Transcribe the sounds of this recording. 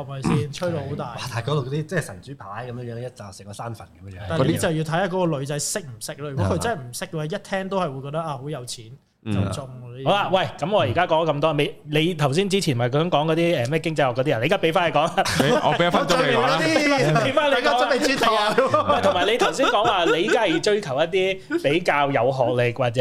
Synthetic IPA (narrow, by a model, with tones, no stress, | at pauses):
ɐ˨˩mɐ˨˩jsiː˧nt͡ʃʰɵ˥jlo˧ho˨˦wt̪aː˨˩jwaː˧˩t̪aː˨˩˨kɔː˨˧t̪o˨wkɔ˨˧t̪i˦˥t͡sɛː˥˨sɐ˨˩nt͡syː˨˥pʰaː˨˥jkɐ˨˦mjə˧ŋjœː˨˧˥ŋjɐ˥t͡sɐ˨˩sɪ˨˩ŋkɔ˨˧saː˥nfɐ˨˩nɐkɐ˦mə˧œː˨˧taː˨n˧le˧˥t͡sɐ˨wji˧t̪ʰɐ˨˥jaː˧˩kɔː˨˧˥kɔː˧lɵ˨˧ɥt͡sɐ˨˥jsɪ˥k̚m̩˨˩sɪ˥k̚laː˧jy˨˩kɔ˨˦˥kʰːt͡sɐ˥nhɐ˨˩m̩˨˩sɪ˥kːə˧˨˧jɐ˥t̚t̪ʰɛː˥ŋt̪o˥whɐ˨jwu˨˧jkɔ˧t̪ɐ˥ʔaː˧ho˨˥wjɐ˨˧wt͡sʰiː˨˥n | t͡sɐ˨t͡sʊ˧ŋː˧iː˥hwla˧wɐ˨˩jkɐ˨˥mŋɔː˨˧ji˨˩kaː˥kɔː˨˥ŋɔ˧kɐ˧mt̪ɔː˥˧me˨˧jle˨˧jt̪ʰɐ˨˩ws̬iː˥nt͡siː˥t͡ɕʰiː˨˩nmɐ˨˩jkɔ˧˥sœ˨˥ŋkɔː˨˥ŋkɔ˨˧t̪iː˥ɛː˨mɛː˥˩kɪ˥ŋt͡sɐ˧jhɔ˨kːɔː˨˧˥iː˥˨ne˨˧˦a˥pe˨˥faː˥nhe˨jkɔː˨˥ŋa˨˧ɔ˧e˨˦ja˨˩faː˧˥˨aː˥i˥e˨˥jfaː˥nleː˨˥˨a˧e˨i˥t̪ʰːmɐ˨˩jt̪ʰʊ˨˩mː˨˩le˨˧jt̪ʰɐ˨˩wsi˥nkɔː˨˥ŋwaː˨le˧jiː˨˧kaː˥˨jt͡ʃɵ˥ɥkʰɐ˨˩wjɐ˥t̚t̪iː˥pe˨˥jkaː˧wjɐ˨˧wɦɔː˨k̚lɪ˨k̚waː˨k̚t͡sɛ˨